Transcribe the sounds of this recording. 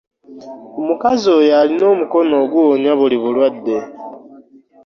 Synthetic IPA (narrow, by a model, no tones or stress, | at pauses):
omukazojalino̞ːmuko̞no̞ːɡuoɲwaβuliβulwadːe̞